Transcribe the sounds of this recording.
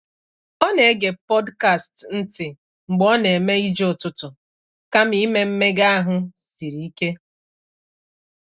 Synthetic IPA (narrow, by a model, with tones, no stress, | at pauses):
ɔ˦ne˨e˦ɡe˨pɔ˦dka˦˨stn̩˦tɪ˨ | ŋ͡m̩˨ɡ͡bɔ˦ne˨me˦i˦d͡ʒʊ˨tʊ˨tʊ˨ | ka˦mi˦me˦m̩˦me˦ɡa˦a˦ɦʊ˦si˨ɾi˨i˦ke˦